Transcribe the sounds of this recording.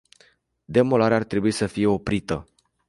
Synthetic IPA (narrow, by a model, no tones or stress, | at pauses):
d̪e̞mo̞laɾeart̪ɾe̞buisəfije̞o̞pɾit̪ə